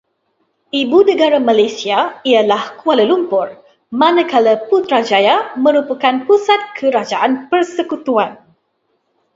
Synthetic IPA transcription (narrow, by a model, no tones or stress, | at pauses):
ʔibunə̃ɡaɾamalajsiaialahkualəlumpʊr | mãnãkaləput̪ɾad͡ʒajamə̃ɾupakanpusat̪̚kʰəɾad͡ʒaʔanpərsəkut̪uan